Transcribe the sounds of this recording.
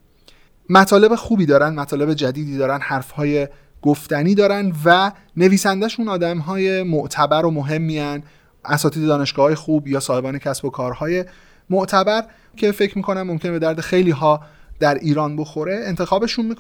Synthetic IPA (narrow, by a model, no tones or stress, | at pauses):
mæt̪ʰɒːle̞be̞xuːbiːd̪ɒːɾænd̪mæt̪ʰɒːle̞be̞d͡ʒæd̪iːd̪iːd̪ɒːɾænd̪hæɾfhɒːje̞ | ɡ̥oft̪æniːd̪ɒːɾænd̪væ | ne̞viːsænd̪æʃunɒːd̪æmɦɒːje̞moʔt̪ʰæbæɾomoɦe̞mːiæn | ʔæsɒːt̪iːd̪e̞d̪ɒːne̞ʃɡ̥ɒːhɒːje̞xuːbjɒːsɒːhe̞bɒːnecʰæsbo̞kʰɒːɾhɒːje̞ | moʔt̪ʰæbæɾ | kʰe̞fe̞cʰɾmiːkʰo̞næmːomcʰʲe̞nebe̞d̪æɾd̪e̞xe̞jliːɦɒːd̪̥æɾʔiːɾɒːnbo̞xo̞ɾe̞ent̪ʰe̞xɒːbe̞ʃunmik